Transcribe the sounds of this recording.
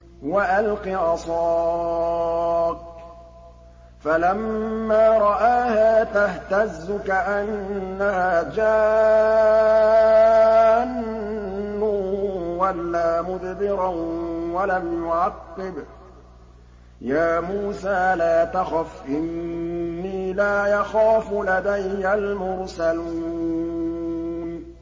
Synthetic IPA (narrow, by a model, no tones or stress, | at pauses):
waʔalqiʔɑsˤɑː | k̚ | falamːaːɾˤɑʔaːhaːt̪aht̪azːʊkaʔanːahaːd͡ʒaː | ʕanː | ʊwalːaːmʊd̪bɪɾɑwalamjʊʕɑqːɪb | jaːmuːsaːlaːt̪axafʔɪnː | iːlaːjɑxaːfʊlad̪ajːalmʊɾsaluː | n